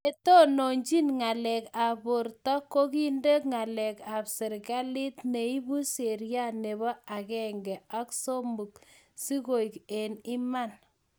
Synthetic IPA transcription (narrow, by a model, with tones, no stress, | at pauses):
e˦to˦no˨ɲd͡ʒi˦nŋa˨lɛ˨ka˨bʊ˨ɾtɔ˦ko˦ki˦nde˦kŋa˨lɛ˨ka˨psɪ˨ɾka˦li˦tne˨i˦bu˦se˨ɾja˦ne˨bɔ˦a˨kɛ˨ŋɡɛ˨a˦kso˦mbu˨k̚ | si˦ko˨ike˨ni˦ma˦˨n